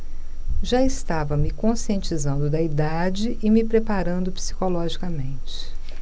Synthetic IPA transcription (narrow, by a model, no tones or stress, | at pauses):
ʒaɪst̪avɐmɪkõsiẽnt͡ʃizɐ̃nd̪ʊd̪ɐid̪ad͡ʒɪʔɪmɪpɾepaɾɐ̃nd̪ʊpsi̥kolɔʒikɐmẽt͡ʃɪ̥